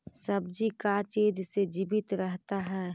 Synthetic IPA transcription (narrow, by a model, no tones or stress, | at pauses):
səbd͡ʒikat͡ʃeːd͡ʒsed͡ʒibɪt̪ɾəɦt̪aɦɛː